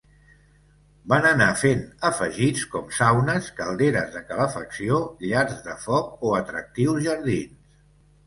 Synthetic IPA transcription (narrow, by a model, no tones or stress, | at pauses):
banənafenəfəʒit͡skɔmsawnəskəlˠd̪eɾəzðəkələfəksioʎaɾzðəfɔk̚oət̪ɾək̚t̪iwzʒəɾðins